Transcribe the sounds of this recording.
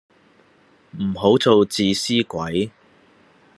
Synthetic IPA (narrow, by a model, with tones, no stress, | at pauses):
m̩˨˩ɦo˨˥wt͡so˨wt͡siː˨˧siː˥kʷɐ˨˥j